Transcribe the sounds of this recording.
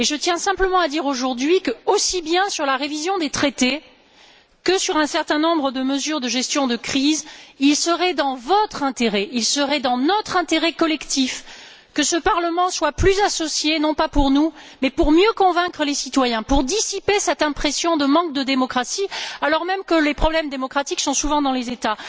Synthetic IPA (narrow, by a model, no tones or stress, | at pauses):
eʒət̪jɛ̃sɛ̃pləmɑ̃ad̪iʁoʒuʁd̪ɥikəosibjɛ̃syʁlaʁevizjɔ̃d̪et̪χet̪e | kəsyʁɛ̃sɛʁt̪ɛ̃nɔ̃bʁəd̪əməzyʁd̪əʒɛst̪jɔ̃d̪əkχizilsəʁɛd̪ɑ̃vɔt̪χɛ̃t̪eʁɛilsəʁɛd̪ɑ̃nɔt̪χɛ̃t̪eʁɛkɔlɛkt̪if | kəsəpaʁləmɑ̃swaplyzasɔsjenɔ̃papuʁnumɛpuʁmjøkɔ̃vɛ̃kχəlesit̪wajɛ̃puʁd̪isipesɛt̪ɛ̃pχesjɔ̃d̪əmɑ̃k̚d̪əd̪emɔkχasialɔʁmɛmkəlepχɔblɛmd̪emɔkχat̪iksɔ̃suvɑ̃d̪ɑ̃lezet̪a